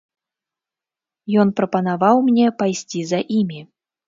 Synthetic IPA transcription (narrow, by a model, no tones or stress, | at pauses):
jɔnpɾɐpɐnavawmnʲɛpajsʲt͡sʲizɐʔimʲi